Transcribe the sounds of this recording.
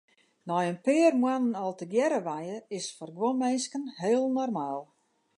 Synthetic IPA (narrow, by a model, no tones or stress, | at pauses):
nɔjənpɪːərmwanənɔlˠtəɡjɛɾəʋajəɪsfɔrɡwomenskənɦeːəlˠnɔrmaːlˠ